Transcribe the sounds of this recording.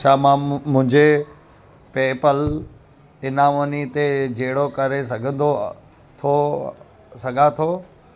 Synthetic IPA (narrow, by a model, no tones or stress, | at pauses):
t͡ɕʰaːmãmʊ̃ɦɪ̃ɲd͡ʑe | peːpəl | ɪnãʋonit̪ed͡ʑeːɽokɐɾesɐɡʱə̃nd̪o | t̪ʰo | sɐɡʱãt̪ʰoː